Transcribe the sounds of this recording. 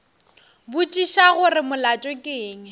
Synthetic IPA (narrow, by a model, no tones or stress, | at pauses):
bʊt͡ʃʼiʃaɣʊrɪmʊlat͡ʃʼɔkʼeːŋɛ